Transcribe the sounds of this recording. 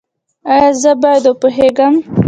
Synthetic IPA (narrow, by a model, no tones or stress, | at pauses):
ajɑzəbɑjad̪opoɦeɡəm